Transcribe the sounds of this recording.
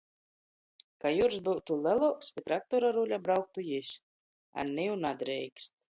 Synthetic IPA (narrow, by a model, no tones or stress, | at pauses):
kajuɾsbuwt̪ulɛlˠɔwkspʲit̪ɾak̚t̪ɔɾaɾulʲabɾawk̚t̪ujis | a̰nːɛjunad̪ɾɛjkst̪̚